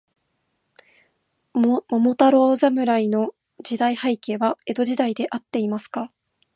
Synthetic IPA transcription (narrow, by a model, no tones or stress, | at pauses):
mo̞mo̞t̪aɾo̞ːzamɯ̟ɾaino̞ | d͡ʑid̪aihaike̞ːβae̞d̪o̞ʑid̪aid̪e̞ʔat̪ːe̞imasɨ̥ka